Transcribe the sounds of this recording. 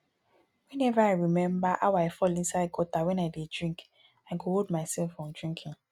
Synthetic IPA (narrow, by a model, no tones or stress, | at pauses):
wɛ̃nɛvaaɪɹimɛ̃mbaʔa̰waɪfɔlĩnsaɪd̚ɡɔtawɛ̃naɪdedɹĩŋk | aɪɡohod̚maɪsɛlfɹɔ̃mdɹĩŋkʰĩŋ